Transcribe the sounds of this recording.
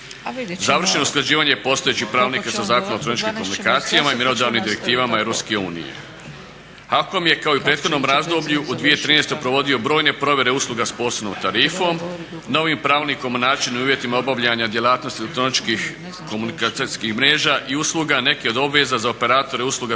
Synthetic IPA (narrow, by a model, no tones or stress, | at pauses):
zaʋr̩ʃenousklˠad͡ʑiːʋaɲepo̞st̪oet͡ɕixpɾaːʋlnikasazaːkonaot̪ɾo̞nit͡ʃkimko̞munikaːt̪sijamaimenod̪aːʋnimd̪iɾe̞k̚t̪iːʋamaeʋɾo̞pske̞uːnḭjḛ | hako̞mje̞kaoipɾe̞ːt̪xo̞d̪no̞mɾazd̪o̞bʎuʔud̪ʋije̞t̪ɾiːnest̪o̞jpɾo̞ʋo̞d̪io̞bɾo̞ːjne̞pɾo̞ʋʲje̞ɾe̞uslˠuɡaspo̞ːsoʋno̰mt̪aɾiːfo̞m | no̞ʋimpɾaːʋniko̞monaːt͡ʃinimuːʋje̞t̪imaobaʋʎaɲad̪je̞lˠaːt̪no̞st̪ielek̚t̪ɾo̞nit͡ʃkix | komunikskixmɾe̞ːʒaːʔiusluɡane̞kio̞d̪o̞bʋe̞zazaope̞ɾaːt̪o̞ɾe̞uslˠuɡa